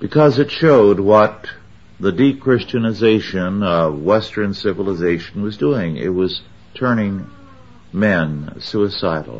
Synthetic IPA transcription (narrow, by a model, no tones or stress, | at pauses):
b̥ɨkʰʌzɨtʃoʊd̚wʌt̪̚ | ðɨdikʰɹ̥ɪst͡ʃɨnɨzeɪʃɨ̃nʌvwɛstə̃˞nsɪvəl̩ˠəzeɪʃn̩wʌzduɪ̃ŋɪ̰t̚wʌz̥ | tʰɜ̃˞nɪ̃ŋ | mɛ̃nsuɨsaɪɾl̩ˠ